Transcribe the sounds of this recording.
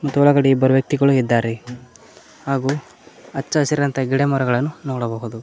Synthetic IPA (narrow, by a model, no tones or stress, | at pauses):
mɐt̪ːuɔɭɐɡɐɽiibːɐɾuʋjɐk̚t̪iɡɐɭuid̪ːaːɾe | haːɡuː | ɐt͡ʃːɐɐsiɾɐnt̪ɐɡiɽemɔɾɐɡɐɭɐnːunoːɽɐboːɣud̪u